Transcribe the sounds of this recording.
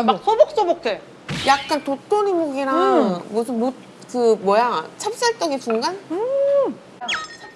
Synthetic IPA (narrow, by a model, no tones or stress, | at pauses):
mosʰʌbʌk̚s͈ʌbokʰe | jak̚k͈antotʰonimoɡiɾamosʰɯnmot̚ | kɯmwʌjat͡ɕʰap̚s͈aɭt͡ɕ͈ʌɡet͡ɕuŋɡan